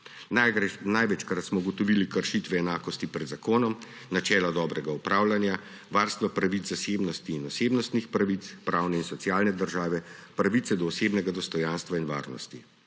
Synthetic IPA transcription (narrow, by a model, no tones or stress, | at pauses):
najʋɛt͡ʃkɾat̪smɔuɡɔt̪ɔʋiːlikəɾʃit̪ʋɛːnaːkɔst̪ipɾɛd̪zakoːnɔm | nat͡ʃɛːlad̪ɔːbɾɛɡaupɾaːwlanja | ʋaːɾst̪ʋapɾaʋit̪zaseːbnɔst̪iːnɔseːbnɔst̪nixpɾaʋit̪spɾʔaːwnɛinsɔt̪sjaːlnɛd̪əɾʒaːʋɛpɾaʋit̪sɛd̪ɔːseːbnɛɡad̪ɔst̪ɔjanst̪ʋainʋa̰ːɾnɔ̰st̪i